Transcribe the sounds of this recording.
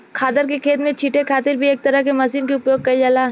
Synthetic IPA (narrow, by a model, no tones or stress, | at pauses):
kʰaːt̪əɾkekʰeːt̪mẽt͡ʃʰiːʈekʰaːt̪ɪɾbʱieːk̚t̪ɐɾəɦkemɐsiːnkeʊpjoːɡɡ̚kɐid͡ʒaːlaː